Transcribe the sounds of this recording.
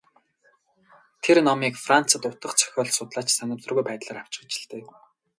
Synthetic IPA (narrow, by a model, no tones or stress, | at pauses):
t̪ʰernɔmiːkfran̥t͡sə̆t̪ʊt̪ə̆χt͡sʰœ̥xʲɔːɮsʊt̪ɮaːt͡ɕsanʲə̆mt̪ə̆rɣujpæːt̪ɮaːɾaw̥t͡ɕʊ̆t͡ɕɪ̆ɮt̪ɘ̆